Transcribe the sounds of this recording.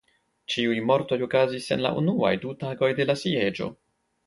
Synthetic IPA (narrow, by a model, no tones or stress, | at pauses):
t͡ʃiujmo̞ɾto̞jo̞kazise̞̰nla̰ʔṵnua̰jdutaɡo̞jde̞lasie̞d͡ʒo̞̰